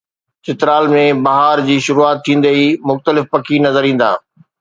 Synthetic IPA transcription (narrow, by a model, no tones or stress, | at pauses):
t͡ɕɪt̪ɾaːlmẽbɐɦaːɾd͡ʑiːʃʊɾuaːt̪ʰːĩːnd̪əimʊxt̪əlɪfpɐkʰinɐzəɾĩːn̆d̪a̰ː